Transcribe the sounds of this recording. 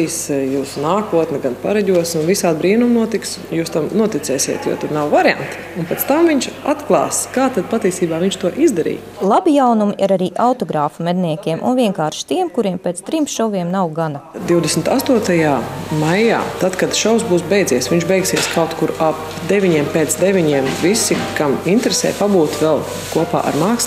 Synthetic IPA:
isjuːsnaːkuɔt̪nɛɡanpaɾaɟʲuɔsunvisaːd̪̚bɾiːnumnuɔt̪iks | juːst̪amnuɔt̪it̪sɛːsʲḭːt̪jo̰ːt̪uɾnawvaɾa̰nt̪ | unpɛtst̪amviɲt͡ʃat̪klˠɑ̰ːskaːt̪ad̪̚pat̪iːsiːbaːʋiɲʲt͡ʃt̪uɔʔizd̪ɐɾḭː | lˠabijawnumʔiɾaɾiːʔawt̪ɔɡɾaːfumɛd̪niɛkʲiɛmʔṵnvʲiɛŋkaːɾʃt̪iɛmkuɾiɛmpeːt̪st̪ɾimsʃɔviɛmnawɡanad̪iwd̪esmɪt̪ast̪uɔt̪ajaːmajja̰ːt̪at̪kad̪ʃawsbuːsbɛjd̪ziɛsʋiɲt͡ʃbɛjksiɛskawt̪kuɾap | d̪evʲiɲiɛmpeːt̪sd̪ɛvʲiɲiɛmvisikamint̪ɾesɛ̰ːpabuːt̪vɛlˠ | kuɔpa̰ːʔa̰ɾmaːks

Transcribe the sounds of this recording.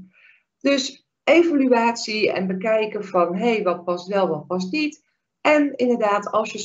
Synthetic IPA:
d̥ɵs | ejvalyaːtsiɛ̰nbəkɛjkəv̥ɑnɦejʋɑt̚pɑsʋɛlˠʋɔt̚pɑs̬nit | ʔɛnɪndəɹdaːtʰɑlˠsjə

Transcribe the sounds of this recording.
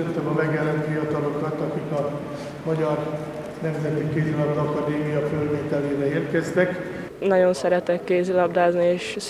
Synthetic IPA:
ɛnt̪ːɛmɒmɛɡjɛlɛnt̪fijɒt̪ɒlo̞kɒt̪ɒkikɒ | mɒɟɒr | nɛmzɛt̪ikeːzilɒt̪ɒkɒd̪eːmijɒføːveːt̪ɛleːɾɛeːrkɛzt̪ɛk | nɒɟo̞nsɛɾɛt̪ɛkːeːzilɒbd̪aːznieːʃ

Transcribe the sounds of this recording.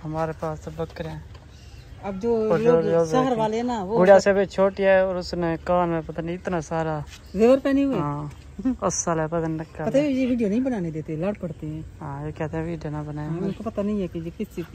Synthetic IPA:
ɦəmaːɾeːpaːsbəkːəɾɛ̃ː | əb̚d͡ʒoːozəɦəɾʋaːleɛːnaːʋoːɡʊaːsebeːt͡ʃʰoːʈiaːoːɾʊsnẽːkaːnmẽːpət̪aːniɪt̪naːsaːɾaː | ʋɪʋəɾpɛːniɦʊeːãː | ʊsːaːlɛːpəd̪ənːləkːaːət̪ed͡ʒeːʋiːɖijoːnəĩːbənaːned̪eːt̪eːləɽpəɽt̪eɦɛ̃ːɦãːeːkɛːt̪eɛ̃ʋiːɖjoːnaːbənaːjaʊnkoːpət̪aːnəĩːɦɛːkejeːkɪsi

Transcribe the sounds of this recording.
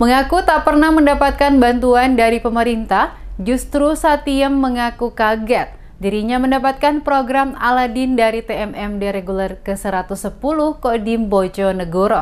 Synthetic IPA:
məŋakut̪aʔpərnahməndapat̪̚kanbant̪uandaɾipəməɾint̪ahd͡ʒust̪ɾusat̪iəmːəŋakukaɡɛt̪̚ | diɾiɲaməndapat̪̚kanpɾoɡɾama̰ladɪndaɾit̪eɛmʔɛmdeɾeɡulərkəsəɾat̪usːəpuluhkodimbod͡ʒonəɡoɾo

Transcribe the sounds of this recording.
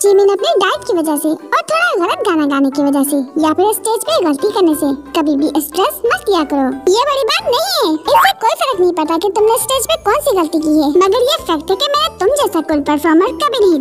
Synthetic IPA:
d͡ʒiːmẽːnɐpniɖaːɪʈ̚kiʋɐd͡ʒaɦseɔːɾt̪ʰoːɽaɣɐlət̪̚ɡaːnaɡaːnekiʋɐd͡ʒasejapɪɾɪsʈeːd͡ʒpẽɣɐlt̪ikɐɾnesekɐbʱibʱiʔɪsʈɾɛsmɐt̪kijakɐɾoːjebɐɽibaːt̪nɐɦĩɦɛːɪssekoːifɐɾəknɐɦĩpɐɾt̪aket̪ʊmneɪsʈeːd͡ʒpẽkɔːnsiɣɐlt̪ik̬iɦɛːmɐɡəɾjefɐk̚ʈ̪ɦɛkemɛ̃ːnet̪ʊmd͡ʒɛːsakʊlpɐɾfʰɔːɾmə̃nskɐbʱiniɦĩ

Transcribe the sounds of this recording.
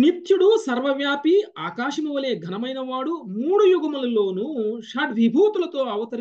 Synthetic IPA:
nit̪juɽusɐɾʋɐʋjaːpiaːkaːʂɐmɐʋɐleːɡʱɐnɐmɐjnɐʋaːɽumuːɽujuɡɐmɐlulo̞ːnuʂaːɖʋibʱuːt̪ulɐt̪o̞ːɐʋɐt̪ɐɾ

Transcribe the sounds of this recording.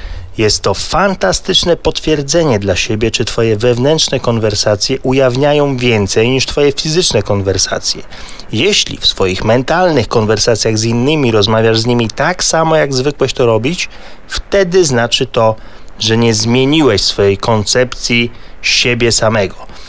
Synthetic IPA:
jɛst̪ːɔfant̪ast̪ɘt͡ʂnɛpɔt̪fʲjɛɾd̪zɛɲɛd̪laɕebʲjɛt͡ʂɘt̪fɔjɛvɛvnɛntʂnɛkɔnvɛɾsat̪sʲjɛʔujavɲajɔ̃w̃vʲjɛnt̪sɛjɲiʂt̪fɔjɛfʲizɘt͡ʂnɛkɔnvɛɾsa̰t̪sʲjɛ | jɛɕlʲḭfsfɔjixmɛnt̪alnɘxkɔnvɛɾsat̪sʲjaɣzinːɘmʲiɾɔzmavʲjaʐzɲimʲit̪aksamɔjaɡzvɘkwɛɕt̪ɔɾɔbʲit͡ɕ | ft̪ɛd̪ɘznat͡ʂɘt̪ɔ | ʐɛɲɛzmʲjeɲiwɛɕsfɔjejkɔnt̪sɛpt̪sʲjiɕebʲjɛsamɛɡɔ

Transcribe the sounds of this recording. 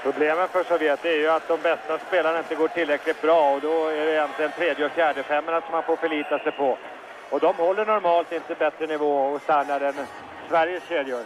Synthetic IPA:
pʰɾʊbleːmənfœʂɔveːt̪ːəæɾjɵat̪̚d̪ɔmbɛst̪aspeːlanaɪnt̪əɡoːʈʰɪlɾɛklɪt̪̚bɾɑːɔd̪ɔæɖɛjɛnt̪lɪɡənt̪ʰɾeːd̪jəɔfjæːɖəfɛmːaɳasɔmhanfoːɾfœɭiːt̪asɛjpʰɔ | ɔd̪ɔmhɔlːəɳɔɾmɑːlt̪ɪnt̪əbɛt̪ɾənɪvoːɔst̪æɳːaɾɛn | svæɾjəsɕeːd̪jʊɾ

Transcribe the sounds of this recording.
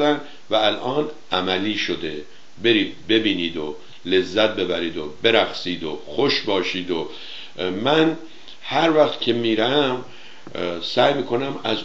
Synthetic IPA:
d̪æn | væælʔɒːn | æmæliːʃod̪e̞ | be̞ɾiːd̪̚be̞biːniːd̪o | le̞zːæt̪̚be̞bæɾiːd̪obe̞ɾæxsiːd̪oxoʃbɒːʃiːd̪o | mæn | hæɾvæxt̪cʰe̞miːɾæm | sæːjmiːkʰo̞næmæz

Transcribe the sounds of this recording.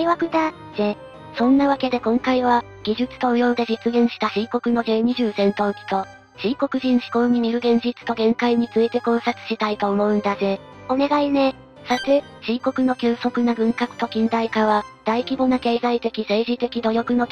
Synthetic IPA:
iβakɯ̟d̪a | ze̞ | sõ̞nːaβake̞d̪e̞kõ̞ŋkaiβa | ɡʲiʑɨt͡sɨ̥t̪o̞ːjo̞ːd̪e̞ʑit͡sɨɡẽ̞ɰ̃ɕi̥t̪aɕiko̞kɯ̟no̞zeːɲ̟iʑɨːsẽ̞nt̪o̞ːkʲi̥t̪o̞ | ɕiko̞kɯ̟ʑĩɰ̃ɕi̥ko̞ːɲ̟imʲiɾɯ̟ɡẽ̞ɲ̟d͡ʑit͡sɨ̥t̪o̞ɡẽ̞ŋkaiɲ̟it͡sɨit̪e̞kõ̞ɰsat͡sɨ̥ɕit̪ait̪o̞ːmo̞ɯ̟̃nd̪aze | o̞ne̞ɡaine̞ | sat̪e | ɕiːko̞kɯ̟no̞kʲɨːso̞kɯ̟naɡɯ̟̃ŋkakɯ̟̥t̪o̞kʲĩnd̪aikaβad̪̥aikʲibo̞nake̞ːzait̪e̞kʲise̞ːʑit̪e̞kʲid̪o̞jo̞kɯ̟no̞

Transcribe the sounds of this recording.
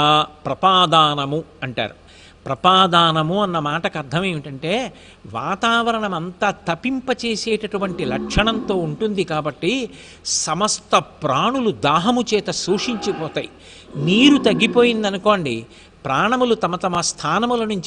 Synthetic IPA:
pɾɐpaːd̪aːnɐmuɐɳʈa̰ːɾu | pɾɐpaːd̪aːnɐmuɐnːɐmaːʈɐkɐɾt̪ʰɐmeːʋiʈɐɳʈe̞ː | ʋa̰ːt̪aːʋɐɾɐɳɐmɐnt̪aːt̪ɐpimpɐt͡ʃe̞ːseːʈɐʈuʋɐɳʈilɐkʂɐɳɐnt̪o̞ːuɳʈund̪ikaːbɐʈːi | sɐmɐst̪ɐpɾaːɳulud̪aːɦɐmut͡ʃɛːt̪ɐsuːʂiɲt͡ʃipɔːt̪aːji | niːɾut̪ɐɡːipo̞ːjind̪ɐnuko̞ːɳɖi | pɾaːɳɐmulut̪ɐmɐt̪ɐmɐst̪ʰaːnɐmulɐnuɲt͡ʃ

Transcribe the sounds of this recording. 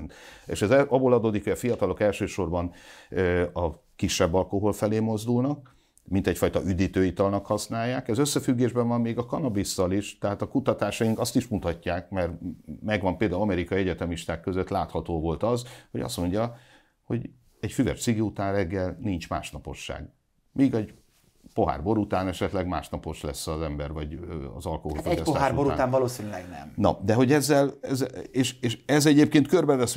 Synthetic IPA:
nt̪ḛːʃɛzɛɒboːlɒd̪oːd̪ikhoɒfijɒt̪ɒlo̞kɛlʃøːʃo̞rbɒnøɒ | kiʃːɛbːɒlko̞ɦo̞lfɛleːmo̞zd̪ulnɒk | mint̪ɛcfɒjt̪ɒʔyd̪iːt̪øːit̪ɒlnɒkhɒsnaːjːaːkɛzø̞sːɛfyɡːeːʒbɛɱvɒmːeːɡɒkɒnɒbist̪ɒliʃt̪ɛɦaːt̪ɒkut̪ɒt̪aːʃɒjiŋkɒst̪iʃmut̪ɒcːaːk̚mɛrmɛɡʋɒmpeld̪aːlɒmɛɾikɒiɛɟɛt̪ɛmiʃt̪aːkːøzøt̪laːt̪hɒt̪oːvo̞lt̪ɒzho̞ɟɒ̰st̪mo̞ɲɟɒ | ho̞̰ɟ | ɛcfyvɛ̰rt̪siɡiut̪aːnrɛɡːɛlnint͡ʃma̰ːʃnɒpo̞̰ʃːa̰ːɡ | miːɡɛɟ | po̞ɦa̰ːrbo̞ɾut̪aːnɛʃɛt̪lɛɡma̰ːʃnɒpo̞ʃlɛsːɒzɛmbɛrvɒɟɒ̰zɒlkoɦofospot̪aɦaːruboɾuaaːnvɒloːsinylɛɡnɛ̰mnɒ̰d̪ɛɦo̞ɟɛzːɛlɛzːeːʃeːʃɛzɛɟeːpkeːnt̪kørbɛvɛs

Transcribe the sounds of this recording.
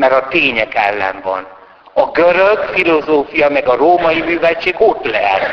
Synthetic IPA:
mɛɾɒt̪eːɲɛkɛlːɛ̰ɱvɒ̰n | ɒɡøɾøɡfilozoːfijɒmɛɡɒroːmɒjimyːvɛlt͡ʃeːɡot̪lɛɦɛ̰t̪

